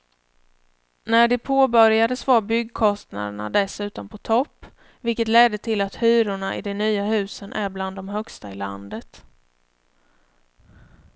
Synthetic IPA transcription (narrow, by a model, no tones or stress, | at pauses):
næɖɛpʰoːbœɾjad̪əsvɑːbʏɡkʰɔst̪na̰d̪əɳa̰d̪ɛsʉ̟ːt̪ɔnpʰɔt̪ʰɔpː | vɪlkət̪lɛd̪ːət̪ʰɪlat̪hyːɾʊɳaʔɪd̪ɛnyːahʉ̟ːsənʔæɾbland̪ːɔmɦœkst̪aɪla̰nd̪ət̪